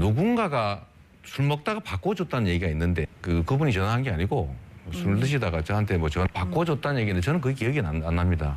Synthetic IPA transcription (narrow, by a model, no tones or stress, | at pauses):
nuɡuŋɡaɡa | sʰuɭmʌk̚t͈aɡapak͈wʌd͡ʑot̚t͈anɯnje̞ɡiɡainːɯnde̞kɯkɯbuɲit͡ɕʌnaɦanɡe̞aɲiɡosʰumɭtɯɕ̬ʰidaɡat͡ɕʌɦantʰe̞mʌt͡ɕʌnapak͈ʌd͡ʑot̚t͈anɯnɲje̞ɡindet͡ɕʌnɯnk̬ɯek̬ijʌɡinaanːamɲida̰